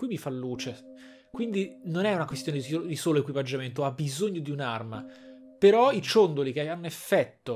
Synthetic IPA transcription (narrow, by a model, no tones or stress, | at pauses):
kwimifalːuːt͡ʃe | kwind̪inonɛunakwest̪joneiod̪isoːloekwipad͡ʒːament̪̬oabːizoɲːod̪iunarma | peɾɔit͡ʃond̪olikeanːoefːɛt̪ːo